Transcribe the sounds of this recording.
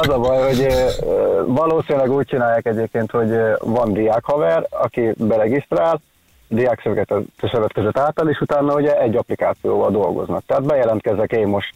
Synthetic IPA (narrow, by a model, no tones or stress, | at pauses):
ɛzɒbɒjho̞ɟø | vɒloːsinilɛɡuːc̚t͡ʃinaːjːaːkɛɟeːp̚keːnt̪ho̞ɟvɒnd̪ijaːkhɒvɛrɒ̰kibɛɾɛɡist̪raːl | d̪ijaːksøvɡɛt̪ɛt̪ːøsøvɛt̪køzøt̪ːaːlt̪ɒleːʃut̪aːnːɒuɟɛɛɟːɒplikaːt̪sijo̰ːvɒld̪o̞lɡo̞̰znɒ̰k̚t̪ɛɦaːd̪bɛjɛlɛnt̪̚kɛzɛkeːmmo̞ʃt̪